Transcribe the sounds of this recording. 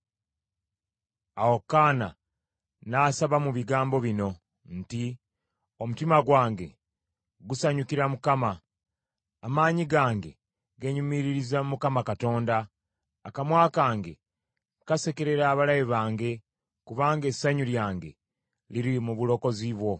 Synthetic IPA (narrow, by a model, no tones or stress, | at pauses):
awokːaːna̰ | naːsaβamuβiɡaːmbo̞βino̞ | n̩ti | omutimaɡwaːŋɡe̞̰ | ɡusaɲukiɾamukamaː | maːɲiɡaːŋɡe̞ | ɡe̞ɲumiɾiɾizamukamakato̞ːndaː | kamwaːkaːŋɡe̞ | kase̞keɾe̞ɾaːβalajeβaːŋɡe̞ | kuβaːŋɡe̞sːaɲuljaːŋɡe̞̰ | liɾimuβulo̞ko̞ziβwo̞